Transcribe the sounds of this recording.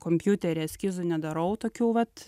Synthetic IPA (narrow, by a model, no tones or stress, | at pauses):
koːmʲpʲjut̪ʲɛɾʲɛsʲkʲizʊnʲɛd̪ɐɾɐʊt̪oːkʲuːʋɐt̪